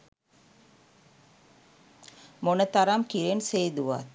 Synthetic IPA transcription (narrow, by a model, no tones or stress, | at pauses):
monət̪aɾamkiɾenseːd̪uʋa̰t̪